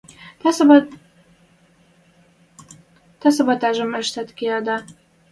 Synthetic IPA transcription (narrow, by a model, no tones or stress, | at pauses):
t̪ɑsɤ̆bɑt̪ɑʒə̆mə̆ʃt̪æt̪keɑd̪ɑ